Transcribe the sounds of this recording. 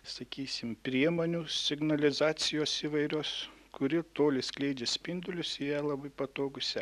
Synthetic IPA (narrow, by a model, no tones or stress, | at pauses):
sɐkʲiːsʲɪmpʲɾʲiɛmoːnʲʊsʲɪɡnɐlʲɪzɑːsʲɪjoːsiːʋɐɪɾʲoːskʊɾʲɪt̪oːlʲɪsklʲɛɪd͡ʒʲesʲpʲɪnd̪ʊlʲʊsijɛlˠɐbɐɪpɐt̪oːɡʊsʲɛ